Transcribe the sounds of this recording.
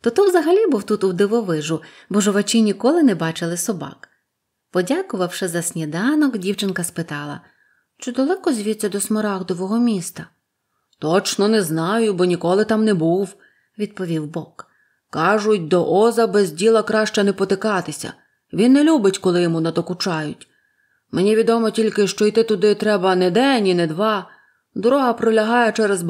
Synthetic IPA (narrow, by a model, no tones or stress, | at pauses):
t̪ɔt̪ɔwzɐɦɐlʲibuwt̪ut̪ʊwd̪ɪʋɔʋɪʒʊ | bɔʒɔʋɐt͡ʃʲɪnʲikɔlˠɪnɛbɑt͡ʃɪlˠɪsɔbɑ̰k | pɔdʲakʊʋɐwʃɪzɐsʲnʲid̪ɑnɔkdʲiwt͡ʃɪnkɐspɪt̪ɑlˠɐ̰ | t͡ʃʊd̪ɔlˠɛkɔzʲʋʲit͡sʲːɐd̪ɔsmɔɾɑɣd̪ɔʋɔɦɔmʲist̪ɐ | t̪ɔt͡ʃnɔnɛznɑjʊbɔnʲikɔlˠɪt̪ɑmnɛbuw | ʋʲid̪̚pɔʋʲiwbɔkː | ɑʒʊt̚ʲd̪ɔʔɔzɐbɛzʲdʲilˠɐkɾɑʃt͡ʃɐnɛpɔt̪ɪkɑt̪ɪsʲɐ̰ | ʋʲinːɛlʲubɪtʲkɔlˠɪjɔmunɐd̪ɔkʊt͡ʃɑjʊtʲ | menʲiʋʲid̪ɔmɔtʲilʲkɪʃt͡ʃɔijt̪ɪt̪ʊd̪ɪt̪ɾɛbɐnɛd̪ɛnʲinɛd̪ʋɑ | d̪ɔɾɔɦɐpɾɔlʲɐɦɑjɛt͡ʃɛɾɛzb